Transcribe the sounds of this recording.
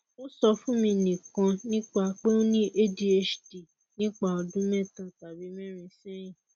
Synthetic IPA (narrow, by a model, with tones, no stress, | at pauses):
o˦sɔ˧fũ˦mĩ˧nĩ˨kã˧nĩ˦k͡pa˧k͡pe˦o˦nĩ˦ʔe˦di˧e˦ʃdi˨ | nĩ˦k͡pa˦˧ɔ˧dũ˦mɛ̃˦ta˧ta˨bi˨˦mɛ̃˦ɾ̃ĩ˧sɛ̃˦j̃ĩ˦˨